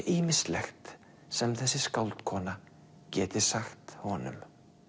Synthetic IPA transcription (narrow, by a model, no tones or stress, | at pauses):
ʔiːmɪ̥st̪lɛxt̪ | sɛmθɛsːɪskawlt̪kʰɔːna | cɛːt̪ɪ̥saxt̪hɔnʏ̰m